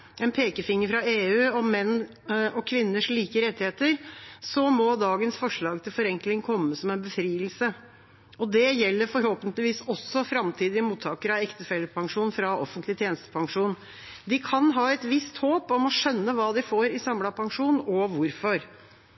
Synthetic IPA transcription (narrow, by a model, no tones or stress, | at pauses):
ɛnpʰeːkəfɪŋːəɾfɾɑeːʉːɔmːɛnː | ɔkʰʋɪnːəʂɭiːkəɾɛt̪ːɪheːt̪əɾsɔmɔd̪ɑːɡənsfɔʂɭɑːɡt̪ʰɪlfɔɾɛŋklɪŋkʰɔmːəsɔmɛnbəfɾiːəlsə | ɔd̪ɛjɛlːəɾfɔɾhoːpənt̪lɪʋiːsɔsːɔfɾɑmt̪ʰiːd̪ɪəmuːt̪ʰːɑːkəɾɑʋɛkt̪əfɛlːəpʰɑŋʂuːnfɾɑʔɔ̰fənt̪lɪt̪ʰjeːnəst̪ə̥pʰɑŋʂuːn | d̪ɪkʰɑnɦɑːɛt̪ʋɪst̪hoːpɔmɔʂœnːəʋɑːd̪ɪfoːɾɪsɑmlɑpʰɑŋʂuːnɔʋʊɾfɔɾ